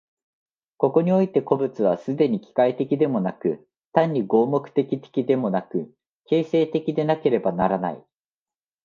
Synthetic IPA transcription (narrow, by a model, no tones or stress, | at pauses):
ko̞ko̞ɲ̟io̞it̪e̞ko̞bɯ̟t͡sɨβ̞asɨd̪e̞ɲ̟ikʲi̥kait̪e̞kʲid̪e̞mo̞nakɯ̟ | t̪ãɲ̟ːiɡo̞ːmo̞kɯ̟̥t̪e̞kʲit̪e̥kʲid̪e̞mo̞nakɯ̟ | ke̞ːse̞ːt̪e̞kʲid̪e̞nake̞ɾe̞banaɾana̰i